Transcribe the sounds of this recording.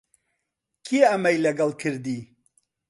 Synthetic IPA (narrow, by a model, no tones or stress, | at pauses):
kʰiɐmɐjlɐɡɐlˠkʰɨɾd̪iː